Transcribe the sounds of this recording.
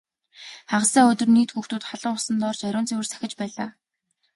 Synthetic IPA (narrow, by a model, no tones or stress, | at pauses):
χaʁə̆saːɵt̪ɵ̆rniːt̪xuxt̪uːt̪χaɮə̆ɴʊsə̆nt̪ɔrt͡ɕæɾʲʊːnt͡sewɘ̆rsæ̥xʲɪ̆t͡ɕpæːɮaː